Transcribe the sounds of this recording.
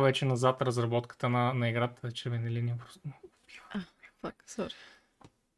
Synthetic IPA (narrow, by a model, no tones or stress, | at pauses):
vɛt͡ʃɛnɐzat̪ɾɐzɾɐbɔt̪kə̥t̪ənɐnɐiɡɾat̪ət͡ʃɛɾvɛnɛlinipɾʊsnpi̥vafaksɔ